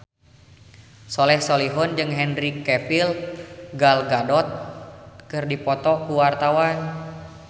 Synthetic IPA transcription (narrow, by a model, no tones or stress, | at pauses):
sɔlɛhsoliɦɔnd͡ʒɨŋɦɛnrikɛpilɡalɡadɔt̪̚kɨrdipɔt̪ɔkuwart̪awan